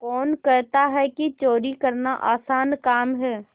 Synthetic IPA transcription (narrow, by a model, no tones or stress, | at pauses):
kɔːnkəɾt̪aɦɛkit͡ʃoːɾikəɾnaʔaːsaːnkaːmɦɛː